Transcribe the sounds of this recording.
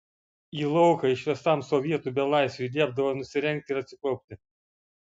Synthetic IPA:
iːlˠɔʊkɐɪʃʲʋʲɛst̪ɑmsɔʋʲiɛt̪uːbʲɛlˠɑɪsʋʲɛlʲiɛb̚d̪ɐʋonʊsʲɪɾʲɛŋʲk̚t̪ʲɪɪɾɐt̪ʲsʲɪpɾɔʊp̚ʲt̪ʲɪ

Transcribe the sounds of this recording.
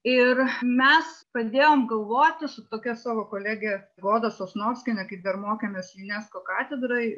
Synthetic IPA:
ɪrmʲɛspɾɐd̪ʲeːjoːmɡɐlˠʋoːt̪ʲɪsʊt̪oːkʲɛsɑːʋoːkoːlʲæːɡʲɛ | ɡoːd̪ɐsoːsnoːɾʲsʲkʲɪnʲɛkɐɪpd̪ɐrmoːkʲɛːmʲeːsjʊnʲɛskoːkɑːt̪ʲɛd̪ɾɐɪ

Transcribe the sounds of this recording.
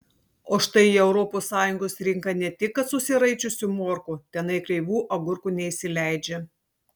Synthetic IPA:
oːʃt̪ɐɪiːɛʊɾɔpoːsːɑːjʊŋɡoːsɾʲɪŋkɐnʲɛt̪ʲɪkːɐt̪sʊsʲɪɾɐɪt͡ʃʲʊsʲʊmoːɾkuːt̪ʲɛnɐɪkɾʲɛɪʋuːʔɐɡʊɾkuːnʲɛisʲɪlʲæˑɪd͡ʒʲe

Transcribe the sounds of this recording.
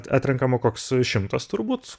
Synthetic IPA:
t̪ɑ̰ːt̪ʲɾʲɛŋkɐmɐkoːksʃʲɪmt̪ɐst̪ʊɾbuːt̪

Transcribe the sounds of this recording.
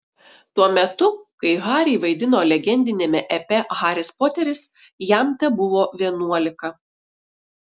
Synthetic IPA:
t̪uɔmʲɛt̪ʊkɐɪɣɑːɾʲiɪʋɐɪd̪ʲɪnoːlʲɛɡʲɛnʲd̪ʲɪnʲeːmʲɛʔɛpʲɛɣɑːɾʲɪspoːt̪ʲɛɾʲɪs | jæmt̪ʲɛbʊʋoːʋʲiɛnuɔlʲɪkɐ

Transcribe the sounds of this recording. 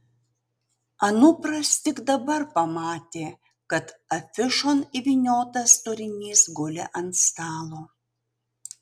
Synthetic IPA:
ɐnʊpɾɐst̪ʲɪɡd̪ɐbɐɾpɐmɑːt̪ʲeː | kɐt̪ɐfʲɪʃɔniʋʲinʲoːt̪ɐst̪oɾʲɪnʲiːsɡʊlʲɪ̰ʔɐnt̪st̪ɑːlˠoː

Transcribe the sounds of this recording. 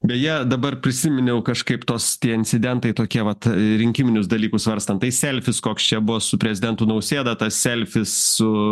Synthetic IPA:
bʲɛtjiɛd̪ɐbɐrpʲɾʲɪsʲɪmʲɪnʲɛʊkɐʃkɐɪpt̪oːst̪ʲiɛɪnʲt͡ssʲɪd̪ʲɛnt̪ɐɪt̪oːkʲiɛʋɐt̪ɾʲɪŋʲkʲɪmʲɪnʲʊsd̪ɐlʲiːkʊsʋɐɾst̪ɐnt̪ɐɪsʲɛlʲfʲɪskoːkst͡ʃʲɛbʊʋoːsʊpʲɾʲɛzʲɪd̪ʲɛnt̪ʊnɐʊsʲeːd̪ɐt̪ɐssʲɛlʲfʲɪssʊ

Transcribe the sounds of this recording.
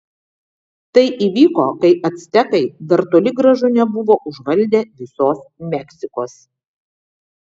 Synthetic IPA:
t̪ɐɪʔiːʋʲiːkoːkɐɪʔɐt̪ʲsʲt̪ʲɛkɐɪd̪ɐɾt̪oːlʲɪɡɾɐʒʊnʲɛbʊʋoːʔʊʒʋɐlʲd̪ʲeːʋʲɪsoːsmʲɛksʲɪkoːs

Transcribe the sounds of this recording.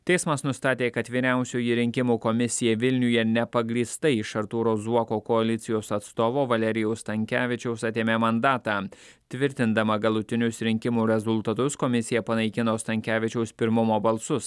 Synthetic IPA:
t̪ʲɛɪsmɐsnʊst̪ɑːt̪ʲeːkɐt̪ʋʲiːɾʲæˑʊsʲuːjiɾʲɪŋʲkʲɪmuːkɔmʲɪsʲɪjɛʋʲɪlʲnʲʊjɛnʲɛpɐɡɾʲiːst̪ɐiʃɐɾt̪uːɾoːzuɔkoːkɔɐlʲɪt̪sʲɪjoːsɐt̪st̪oːʋoːʋɐlʲɛɾʲɪjɛʊst̪ɐŋʲkʲæːʋʲɪt͡ʃʲɛʊsɐt̪ʲeːmʲeːmɐnd̪ɑːt̪ɑː | t̪ʲʋʲɪɾʲt̪ʲɪnd̪ɐmɐɡɐlˠʊt̪ʲɪnʲʊsɾʲɪŋʲkʲɪmuːɾʲɛzʊlˠt̪ɐt̪ʊskɔmʲɪsʲɪjɛpɐnɐɪkʲɪnoːst̪ɐŋʲkʲæːʋʲɪt͡ʃʲɛʊspʲɪɾmʊmoːbɐlˠsʊs

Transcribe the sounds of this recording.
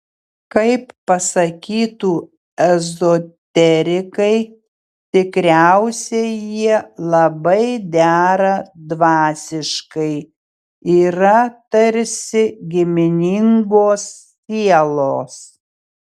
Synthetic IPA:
kɐɪpːɐsɐkʲiːt̪uː | ɛzot̪ʲɛɾʲɪkɐɪ | t̪ʲɪkɾʲæˑʊsʲɛjiɛlˠɐbɐɪd̪ʲæːɾɐd̪ʋɑːsʲɪʃkɐɪ | iːɾɐt̪ɐɾʲsʲɪɡʲɪmʲɪnʲɪŋɡoːsːʲ | iɛlˠoːs

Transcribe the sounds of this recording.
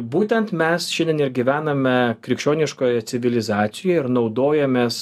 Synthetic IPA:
buːt̪ʲɛnt̪mʲɛsʃʲɪndʲɛnɪɾɡʲiʋʲæːnɐmʲɛkɾʲɪkʃʲoːnʲɪʃkoːjɛt̪sʲɪʋʲɪlʲɪzɑːt̪sʲɪjɛɪɾnɒʊd̪oːjɛmʲeːs

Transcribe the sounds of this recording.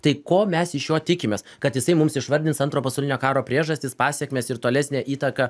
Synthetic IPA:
t̪ɐɪkoːmʲɛsɪʃjoːt̪ʲɪkʲɪmʲeːskɐt̪jɪsɐɪmʊmsɪʃʋɐɾʲd̪ʲɪnsɐnt̪ɾoːpɐsɐʊlʲɪnʲoːkɑːɾoːpʲɾʲiɛʒɐsʲt̪ʲɪspɑːsʲɛkmʲeːsɪɾt̪oːlʲæsʲnʲæːʔiːt̪ɐkɑ

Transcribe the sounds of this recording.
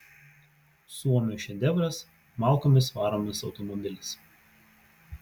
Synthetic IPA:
suɔmʲuʃʲɛd̪ʲɛʋɾʲɐs | mɑˑlˠˑkoːmʲɪsʋɑːɾomʲɪsɒ̰ʊt̪ɔmɔbʲɪlʲɪs

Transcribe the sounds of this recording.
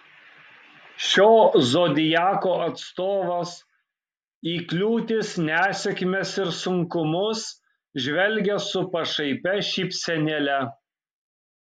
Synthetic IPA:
ʃʲoːzoːd̪ʲɪjæːkoːɐt̪st̪oːʋɐs | iːklʲuːt̪ʲɪsnʲæːsʲɛkʲɪmʲɛsɪɾsʊŋkʊmʊs | ʒʲʋʲɛlʲˑɡʲɛsʊpɐʃɐɪpʲɛʃʲiːpʲsʲɛnʲɛlʲɛ

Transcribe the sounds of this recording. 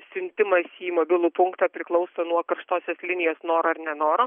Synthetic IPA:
sʲʊnʲt̪ʲɪmɐsiːmoːbʲɪlˠuːpʊŋkt̪ɑpʲɾʲɪklˠɐʊsonuɔkɐɾʃt̪oːsʲoːslʲɪnʲɪjoːsnoːɾoɐrnʲɛnoːɾo

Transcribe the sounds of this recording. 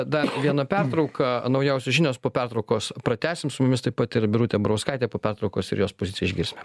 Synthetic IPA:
d̪ɐrʋʲiɛnɐpʲɛrt̪ɾɒʊkʰɐnɒʊjɛʊsʲoʒʲɪnʲoːspoːpʲɛrt̪ɾɔʊkoːspɾɐt̪ʲæːsʲɪmsʊmʊmʲɪst̪ɐɪpɐt̪ɪɾbʲɪɾuːt̪ʲeːbɐɾoʊskɐɪt̪ʲeːpoːpʲɛrt̪ɾɔʊkoːsɪ̰ɾjoːspoːzʲɪtt͡sʲɪjɛɪʒʲɡʲɪɾʲsʲmʲe

